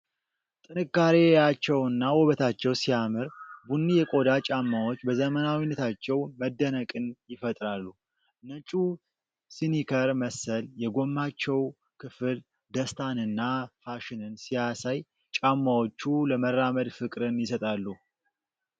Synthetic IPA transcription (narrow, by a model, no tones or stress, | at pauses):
t̪ʼɨnɨkːaɾejat͡ʃːɛwɨnːawɔβət̪ʰat͡ʃːɛwsijamɨɾbunːijɛkʼo̞d̪at͡ʃʼamːawo̞t͡ʃːbəzəmənawinːət̪ʰat͡ʃːɛwməd̪ːənəkʼɨnjɪfət̪ʼɾalːu | nət͡ʃʼu | sinikʰəɾməsəljɛɡo̞mːat͡ʃːɛw | kʰɨfɨl | d̪əst̪ʰanɨnːafaʃɪnɨnsijasaj | t͡ʃʼamːawot͡ʃːuləmərːaməd̪fɨkʼɾɨnjɪsət̪ʼalːu